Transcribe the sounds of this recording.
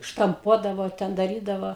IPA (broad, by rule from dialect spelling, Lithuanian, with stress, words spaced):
ʃtɐmˈpuɔdɐʋoː ˈtʲɛn dɐˈrʲiːdɐʋoː